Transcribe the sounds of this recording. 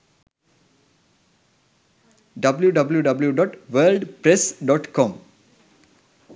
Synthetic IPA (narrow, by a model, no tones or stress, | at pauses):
ɖɐbljuɖɐbljuɖɐbljuɖɔːʈʋəːlɖpɾesɖɔːʈkɔ̃m